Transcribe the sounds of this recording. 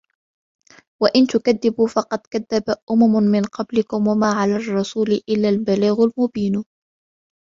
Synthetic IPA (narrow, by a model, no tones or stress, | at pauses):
waʔɪnt̪ʊkaðːɪbuːfɑqɑd̪kaðːabaʔʊmamʊmɪnqɑblɪkʊmwamaːʕalaːrˤːɑsuːlɪʔɪlːaːlbaliːɣalmʊbiːn